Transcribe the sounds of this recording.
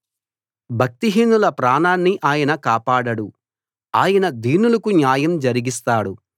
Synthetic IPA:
bʱɐk̚t̪iɦiːnːulɐpɾaːnaːnːiʔaːjɐnɐkaːpaːɽɐɽu | aːjɐnɐd̪ʱiːnulɐkunjaːjɐmd͡ʒɐɾiɡist̪aːɽu

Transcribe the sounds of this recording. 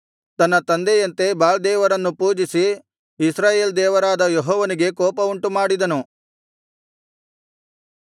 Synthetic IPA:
t̪ɐnːɐt̪ɐnd̪ejɐnt̪e̞baːld̪ɛːʋɐɾɐnːupuːd͡ʒisiː | sɾaːjeːld̪ɛːʋɐɾaːd̪ɐjeɦɔːʋɐniɡe̞kɔːpɐuɳʈumaːɽid̪ɐnu

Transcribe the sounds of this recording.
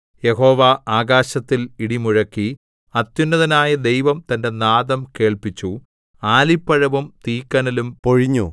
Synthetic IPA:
je̞ho̞ːʋaʔaːɡaːɕɐt̪ːiliɽimuɻɐkːi | ɐt̪junːɐðɐnaːjɐd̪e̞jʋɐmt̪ɐnde̞naːðɐmke̞ːɭpit͡ɕːu | aːlipːɐɻɐʋumt̪iːkːɐnɐlumpo̞ɻiɲːu

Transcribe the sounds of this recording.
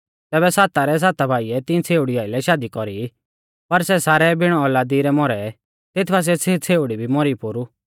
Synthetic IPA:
t̪ɛːβɛsaːt̪aɾɛs̬aːt̪abʱaːiɛt̪ɪ̃t͡sʰeːuɽiaːɪlɛʃaːd̪ikɔɾi | pɐɾsɛsaːɾɛbʱɪɽ̃ɔɔlad̪iɾɛmɔɾɛ | t̪ɪt̪ʰbas̬ɛt͡sʰet͡sʰeːuɽibʱimɔɾipoːɾu

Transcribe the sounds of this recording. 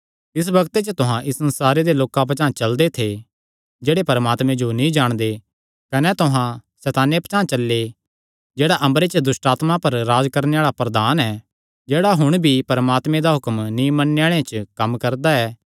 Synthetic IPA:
ɪs̬bɐɡt̪et͡ʃət̪ʊɦãʔɪssɐnsaːɾed̪eloːkãp̬ɐt͡ʃãːt͡ʃɐld̪et̪ʰe | d͡ʒeːɽepɐɾəmaːt̪mɛ̃d͡ʒonĩd͡ʒaːɽ̃d̪e | kɐnɛt̪ʊɦãsɛːt̪aːnjepɐt͡ʃãːt͡ʃɐlːe | d͡ʒeːɽaʔɐ̃mbɾet͡ʃəd̪ʊsʈaːt̪mãpɐɾːaːd͡ʒkɐɾneaːɭapɾɐd̪aːnɛː | d͡ʒeːɽaɦʊɽ̃bʱipɐɾəmaːt̪mẽd̪aɦʊkəmnĩmɐnːejaːɭ̃ẽt͡ʃkɐmkɐɾd̪aɛː

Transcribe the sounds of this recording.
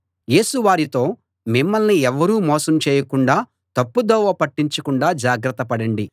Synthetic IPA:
je̞ːsuʋaːɾit̪o̞ː | mimːɐlniɛʋːɐɾuːmɔːsɐmt͡ʃeːjɐkuɳɖaː | t̪ɐpːud̪ɔːʋɐpɐʈːiɲt͡ʃɐkuɳɖaːd͡ʒaːɡɾɐt̪ːɐpɐɽɐɳɖi

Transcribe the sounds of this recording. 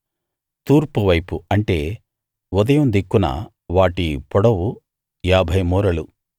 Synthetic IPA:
t̪uːɾpuʋɐjpuɐɳʈe̞ː | ɔd̪ɐjɐmd̪ikːunɐ̰ | ʋaːʈipɔɽɐwu | jaːbʱɐjmuːɾɐlu

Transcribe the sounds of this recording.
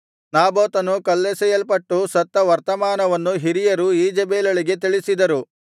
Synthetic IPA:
naːboːt̪ɐnukɐlːesɛjɐlpɐʈːusɐt̪ːɐʋɐɾt̪ɐmaːnɐʋɐnːuɦiɾijɐɾuiːd͡ʒɐbeːlɐɭiɡe̞t̪̬iɭisid̪ɐɾu

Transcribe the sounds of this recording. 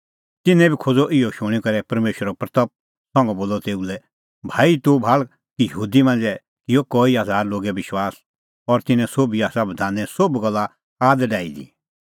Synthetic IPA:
t̪ɪnɛ̃bʱikʰod͡zɔʔɪjɔʃʊ̃ɽ̃ikɐɾɛpɐɾmeːʃəɾɔpɾɐt̪əp̚ | sɔ̃ŋɡɔboːlɔt̪eːulɛ | bʱaːit̪ubʱaːl | kijəɦuːd̪imɐ̃nd͡zɛ | kɪjɔkɔːiazʱaːɾloːɡɛbɪʃwaːs | ɔɾt̪ɪnɛ̃sobiaːsabɐd̪ʱãːnɛ̃sobɡɐlːa | aːd̪ɖaːid̪ḭ

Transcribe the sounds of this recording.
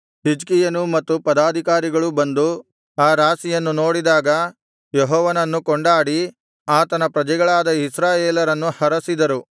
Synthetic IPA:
hid͡ʒkijɐnumɐt̪ːupɐd̪aːd̪ʱikaːɾiɡɐɭubɐnd̪u | aːɾaːsijɐnːuno̞ːɽid̪aːɡɐ | jɛɦɔːʋɐnɐnːukoɳɖaːɽi | aːt̪ɐnɐpɾɐd͡ʒɛɡɐɭaːd̪ɐisɾaːjeːlɐɾɐnːuhɐɾɐsid̪ɐɾu

